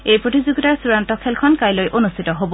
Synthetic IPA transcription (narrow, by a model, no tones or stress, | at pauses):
ejpɹotizuɡitaɹsuɹantɔkʰɛlkʰɔnkajlojʔonustʰitɔɦobɔ